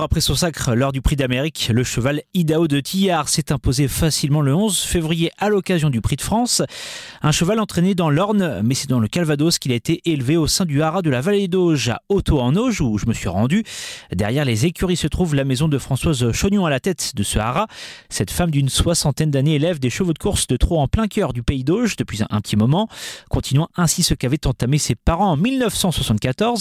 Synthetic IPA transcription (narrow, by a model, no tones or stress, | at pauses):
ʁapχɛsɔ̃sakχlɔʁd̪ypχid̪ameʁikləʃəvalid̪aod̪ət̪ʰijaʁsɛt̪ɛ̃pozefasilmɑ̃ləɔ̃zfevʁijeʔalɔkazjɔ̃d̪ypχid̪əfχɑ̃sɛ̃ʃəvalɑ̃t̪χened̪ɑ̃lɔʁnmɛsɛd̪ɑ̃ləkalvad̪oskʲilaet̪eʔelveosɛ̃d̪yaʁad̪əlavaled̪oʒa̰ot̪oɑ̃noʒuʒəməsɥiʁɑ̃d̪yd̪ɛʁjɛʁlezekʲyʁisət̪χuvlamezɔ̃d̪əfχɑ̃swazʃonjɔ̃alat̪ɛt̪d̪əsəa̰ʁasɛt̪famd̪ynswasɑ̃t̪ɛnd̪aneːlɛvd̪eʃəvod̪əkuʁsd̪ət̪χoɑ̃plɛ̃kʲœʁd̪ypeid̪oʒd̪əpɥizɛ̰̃pət̪imɔmɑ̃kɔ̃t̪inɥɑ̃ɛ̃sisəkavɛt̪ɑ̃t̪amesepaʁɑ̃ːmilnəfsɑ̃swasɑ̃t̪̚kat̪ɔʁz